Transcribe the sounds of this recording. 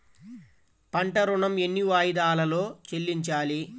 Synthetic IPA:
pɐɳʈɐɾuɳɐme̞nːiʋaːjid̪aːlɐlo̞ːt͡ʃelːiɲt͡ʃaːli

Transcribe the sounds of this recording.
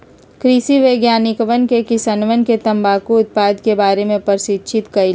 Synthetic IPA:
kɾisiʋeːɡjaːnɪkʋənkekɪsanʋənket̪ɐ̃mbaːkuʊt̪̚paːd̪kebaːɾemẽpɐɾsɪt̪ːt͡ʃʰɪt̪kɐil

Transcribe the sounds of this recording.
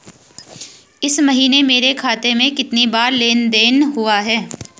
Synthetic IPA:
ɪsmɐɦiːnemeːɾekʰaːt̪emẽkɪt̪nibaːɾleːnd̪eːnɦʊaɦɛː

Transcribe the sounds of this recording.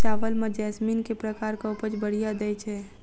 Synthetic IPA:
t͡ʃaːʋəlmãd͡ʒɛːsmiːnkepɾəkaːɾkaʊpət͡ʃbəɽ̤ijad̪ɛjt͡ʃʰɛ

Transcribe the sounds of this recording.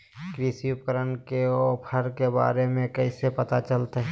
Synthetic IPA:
kɾisiʊp̚kəɾənkeɔːpʰəɾkeba̰ːɾemẽkəisepɐt̪at͡ʃəlt̪eɦɛ

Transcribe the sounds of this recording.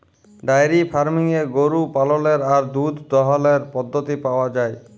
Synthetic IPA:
ɖajɾifʰaɾmiŋeɡoɾupaloleɾaɾd̪ud̪ʱd̪ɔɦaleɾpɔd̪ʱːot̪ipaoad͡ʑae

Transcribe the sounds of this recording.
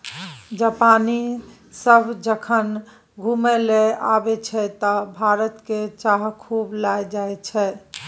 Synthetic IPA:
d͡ʒapani | səbʱd͡ʒəkʰən | ɡʱumɛleabɛt͡ʃʰɛt̪ɔbʱaɾət̪ket͡ʃaɦkʰublajd͡ʒaet͡ʃʰɛ

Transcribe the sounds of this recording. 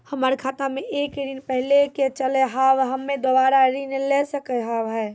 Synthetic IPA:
həməɾkʰaːt̪ameʔekɾinpəɦileket͡ʃəlɛɦaʋɦəmːed̪obaɾaɾinelɛsəkɛɦaʋɦɛː

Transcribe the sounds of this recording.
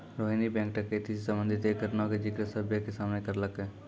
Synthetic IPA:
ɾoːɦĩnibɛ̃ːŋk̚ʈəket̪isisə̃mbə̃nd̪ʱɪt̪ekəɾnãked͡ʒɪkɾesəbʱjəkesaːmnekəɾləkɦɛː

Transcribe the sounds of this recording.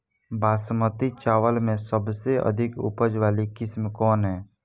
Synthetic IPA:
baːsmət̪it͡ʃaːʋəlmẽsəbseʔə̰d̪ʱɪkʊ̰pəd͡ʒʋaːlikɪsmkɔːnɦɛː

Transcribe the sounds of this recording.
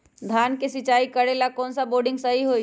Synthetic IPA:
d̪ʱaːnkesɪt͡ʃaːikɐɽelakɔːnsaboːɾɖɪ̃ŋɡsɐɦiɦoː

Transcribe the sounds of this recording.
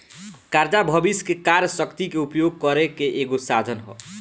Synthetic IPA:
kaɾd͡ʒabʱʌbiskekaɾjsʌkt̪ikeupjoɡ̚kʌɾekeʔeɡosad̪ʱənɦɔ̰

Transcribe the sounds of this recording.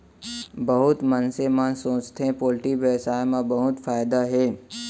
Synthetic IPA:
bəɦʊt̪mənsemãnsõːt͡ʃt̪ɦẽpoːlʈiʋesaːjmãbɐɦʊt̪faːjd̪aɦɛː

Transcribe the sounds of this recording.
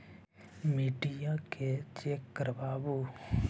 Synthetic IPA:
miːʈijãkʰet͡ʃekːəɾəbaːbo

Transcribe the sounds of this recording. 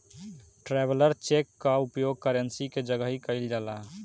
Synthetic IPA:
ʈɾɛbələɾt͡ʃekːaupjoɡ̚kəɾənsiked͡ʒəɡəɦikəɪld͡ʒala

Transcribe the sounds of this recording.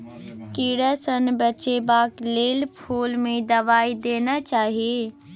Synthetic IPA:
kiɽəsənbəːt͡ʃebaːkleːlpʰuːlmẽd̪əʋaːid̪eːnat͡ʃaːɦie

